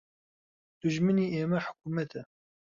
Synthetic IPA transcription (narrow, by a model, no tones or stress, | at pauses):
d̪̥uʒmɨniːʔeːmɛħʊ̥kuːmɛt̪ʰɛ